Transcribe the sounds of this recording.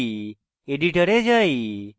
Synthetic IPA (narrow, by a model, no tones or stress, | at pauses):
eɖiʈəɾed͡ʒaj